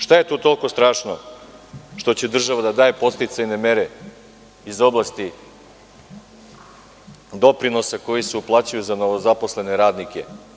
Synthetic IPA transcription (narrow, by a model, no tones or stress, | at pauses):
ʃt̪aje̞t̪oːt̪o̞lˠko̞st̪ɾaːʃno̰ | ʃt̪o̞t͡ɕed̪r̩ʒaʋad̪ad̪aːjepo̞st̪it̪sajne̞me̞ɾe | izo̞blˠast̪i | d̪o̞pɾino̞sako̞jiseuplˠaːt͡ɕajuzano̞ʋozaposle̞ne̞ɾaːd̪nikḛ